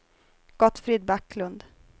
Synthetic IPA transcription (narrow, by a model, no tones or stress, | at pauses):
ɡ̥ɔt̪fɾid̪bakːlɵnd̪